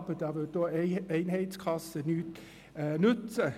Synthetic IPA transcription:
bət̪ɑʋət̪̚d̪oːeɪnheɪt̪skʰɑsəny | nʉt̪

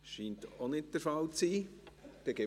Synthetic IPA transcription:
ʃiːntonɪt̚d̥̪ɛɾfɑlt͡siːd̪̥ɛɡɛ

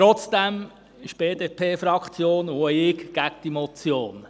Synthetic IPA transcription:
ɾɔt͡sd̥̪ɛm | ɪʃb̥eːd̪eːpʰeːfɾɑkχt͡sjoːnʊɪkɡ̥æk̚d̥imɔt͡sjoːn

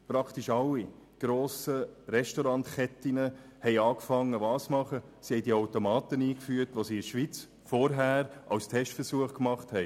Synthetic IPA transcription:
pɾɑkʰt̪iʃɑlːi | ɡ̥ɾoːsəɾɛʃtɔɾɑnt̪χɛtɪnə | hɛɪɑːkfɑŋːəʋɑːsmɑχə | sihɛɪdiawtomɑːt̪əniːkfyːətʋosiːɪʃʋit͡s | fɔɾɦæːɾʔɑ̰wstʰɛʃtfəɾsuəχkmɑχthɛɪ

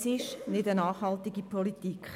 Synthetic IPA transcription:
sɪʃnɪdənɑːχhɑltiɡipʰɔlitikχ

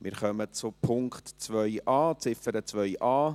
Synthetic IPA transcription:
mʔɪ̰ːɾχœmət͡sʊpʰʊŋktt͡sʋœʏʔɑːt͡sɪfəɾət͡svœʏʔɑː

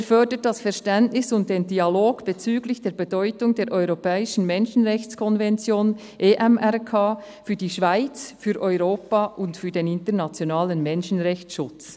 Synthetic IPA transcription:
efœd̥ət̚d̥asfɛɾʃtɛntnɪsʊnt̚d̥eːndialoːɡ̥b̥et͡syːɡlɪçd̥eːɐɾbedɔʏtʊŋdeːɾʔɔʏʁopɛːɪʃn̩mɛnʃn̩ʁɛçt͡skʰɔnvɛnt͡sjoːn | ʔeːʔɛmʔɛʁkʰaː | fyːɐdiːʃv̥aɪt͡sfyːɾʔɔʏʁoːpaʔʊntfyːdeːnɪntənat͡sjonaːlənmɛnʃn̩ʁɛçt͡sʃʊt͡s

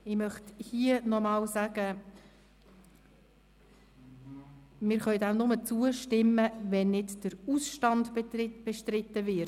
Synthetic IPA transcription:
ɪmœχt̪hiənɔmɑːlsæɡ̥ə | mɪːɾχœʏɥdæmnʊmət͡suːəʃtɪmːəʋɛnːɪdd̥əɾusʃtɑndbɪb̥ɛʃtɾɪt̪ːəvɪ

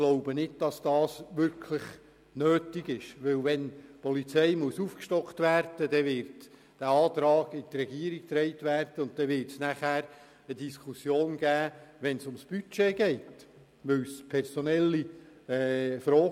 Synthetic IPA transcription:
ɡ̥loʊbənɪd̚d̥ɑsd̥ɑːsʋʏɾkʰləχ | nøːtiɡɪʃʋɵwʋɛnpɔlit͡sɛɪmuəsufkʃtɔkt̪ʋæːɾd̥ədɛʋɪɾt | d̥æɑːt̪ɾɑːɡɪtrɛɡiəɾik̚t̪ɾɛɪt̪ʋæːrd̥əʊnt̚d̥ɛʋɪrtsnæχæːɾ | ədiskʰusjoːnɡ̥æːʋɛnsʊmsb̥yt͡ʃeːɡɛɪt | ʋʏwspʰɛrsɔnɛlːiː | fɾɔː

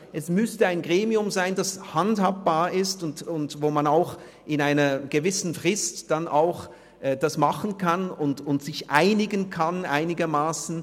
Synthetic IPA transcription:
ʔɛsmʏstəaɪnɡʁeːmiʊmzaɪndashanthaːp̚b̥aːɐɪstʊntʊntvoːmanaʊx | ʔɪnaɪnɐɡ̥əvɪsn̩fʁ̥ɪstd̥anʔaʊx | ʔɛd̥asmaχn̩kʰanʊntʊntz̥ɪçʔaɪnɪɡənkʰanʔaɪnɪɡɐmaːsn̩

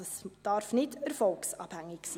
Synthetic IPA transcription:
ɑsd̥ɑɾfnɪtəɾfɔlksɑːb̥hæŋːɪksiː

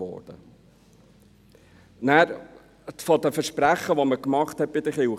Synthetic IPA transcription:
ɔ̰ːɾd̥ə | næːɾ | fɔd̪əfəɾʃpɾæχːəʋoməkmɑχt̪hɛt̚b̥ɪd̪əχɪw

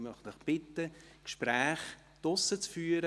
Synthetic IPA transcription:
mœχdɔχb̥ɪt̪ːə | kʃpɾæːχ | d̥ʊsət͡sfyːəɾə

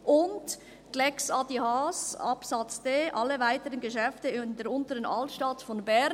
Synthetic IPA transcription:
ʔʊnd | ɡ̥lɛksɑdihɑsɑpsɑt͡sdeːʔɑlːəvaɪtəʁənɡəʃɛftəɪndeːɾʊntəʁənʔɑltʃtɑtfɔnbɛ

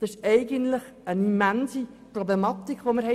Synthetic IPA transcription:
d̥ɑsɪʃɛɪɡənt̪ləχənimænsi | prɔblemɑt̪ikʰːʋoməɾhɛ

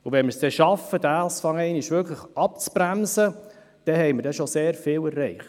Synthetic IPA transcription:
ʊʋɛnməɾsd̥ɛʃɑfədæsfɑŋɛɪnɪʃʋʏɾkʰləχɑp̚t͡sbɾæmsə | d̥ɛɦɛɪməɾdɛʃɔseːɾfɪːlɛɾːɛɪχt

